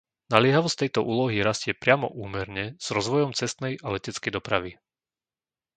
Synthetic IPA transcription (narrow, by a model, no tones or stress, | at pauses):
nalɪɛɦaʋɔst̪ɛjt̪ɔʔuːlɔɦiɾascɪɛpɾɪamɔ̰ʔuːmɛɾɲɛz̥ɾɔzʋɔjɔmt͡sɛst̪nɛjalɛcɛt͡skɛjd̪ɔpɾaʋi